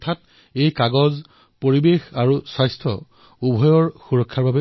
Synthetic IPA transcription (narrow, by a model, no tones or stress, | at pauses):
ɔtʰat | ejkaɡɔz | poɹibexaɹuswajstʰɔ̰ | ubʱɔjɔɹxuɹɔkʰːaɹbabɛ